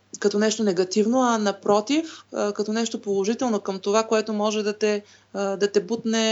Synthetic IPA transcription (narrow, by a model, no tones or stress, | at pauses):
kɐt̪ɔnɛʃt̪onɛɡɐt̪ivnoɐnɐpɾɔt̪ifkɐt̪ɔnɛʃt̪opolˠoʒit̪ɛlˠnokɐmt̪ovakoɛt̪omɔʒɛd̪ɐt̪ɛ | d̪ɐt̪ɛbut̪nɛ